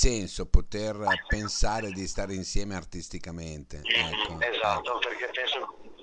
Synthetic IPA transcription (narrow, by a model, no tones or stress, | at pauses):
sɛnsopot̪erpensaːɾed̪ist̪aːɾinsjɛːmeart̪ist̪ikament̪eɛkːoezat̪ːoperkepːɛnso